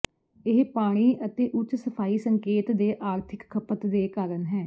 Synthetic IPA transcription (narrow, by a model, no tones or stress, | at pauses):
ɪɦpaːɽ̃iːʔət̪eːʔʊt͡ʃsəpʰaːiːsəŋkeːt̪d̪eːʔaːɾt̪ʰɪkkʰːəpət̪d̪eːkaːɾənɦɛː